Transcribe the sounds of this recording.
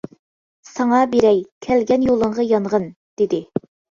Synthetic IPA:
sɑŋɑbeɾɛjkʲʰælɡʲɛnjolˠəɴʁɑjɑnʁən | d̪̥ed̪ɪ

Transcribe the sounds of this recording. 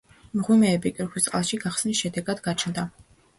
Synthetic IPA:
mʁwimɛːbikʼiɾχwist̪sʼqʼalˠʃiɡaχsnisʃɛd̪ɛɡad̪ɡat͡ʃʰnd̪a

